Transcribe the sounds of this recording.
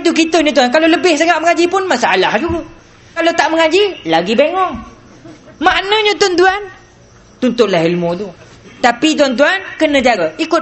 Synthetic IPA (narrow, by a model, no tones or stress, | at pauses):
t̪ukit̪əɲə̃t̪̬uankaloləbɪhsəŋaʔməŋad͡ʒipʊnmasaalahd͡ʒuɡə | kalot̪aʔməŋad͡ʒilaɡibeŋɔŋ | maʔnə̃ɲə̃t̪ant̪uan | t̪unt̪ʊʔ̪̚laɦilmut̪u | t̪apit̪̬uant̪̬uankənə̃d͡ʒaɾaikʊ